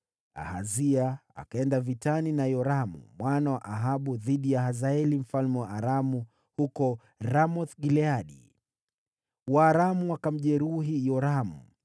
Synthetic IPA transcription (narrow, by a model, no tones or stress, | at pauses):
a̰ha̰ziaa̰kaɛndavitaninajɔɾamṵmwanawaʔaɦaɓuðiɗijahazaɛlim̩falmɛwaaɾamu | hukɔ | ɾamɔθɡilɛaɗḭ | waːɾamuakam̩ʄɛɾuɦijɔɾamṵ